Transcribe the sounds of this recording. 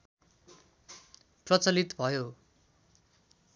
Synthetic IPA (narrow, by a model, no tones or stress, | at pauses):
prʌt͡sʌlit̪bʱʌjo